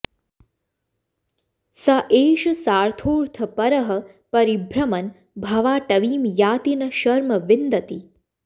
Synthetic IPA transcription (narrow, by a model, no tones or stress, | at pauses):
sɐʔeːʃɐsaːɾt̪ʰoːɾt̪ʰɐpɐɾɐɦɐ̆ | pɐɾibʱɾɐmɐn | bʱɐʋaːʈɐʋiːmjaːt̪inɐʃɐɾmɐʋɪnd̪ɐt̪i